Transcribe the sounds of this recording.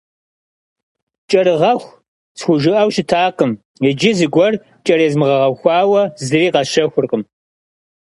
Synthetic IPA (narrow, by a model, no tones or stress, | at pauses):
t͡ʃʼɐɾɨʁɐxʷ | t͡sxʷʊʒɨʔɐwʃɪtʰaːqəm | ɪd͡ʒɪzɨɡʷɔr | t͡ʃʼɐɾezmɨʁɐʁɐxʷɑːwɐzɨriːqɑʃɐxʷʊrqəm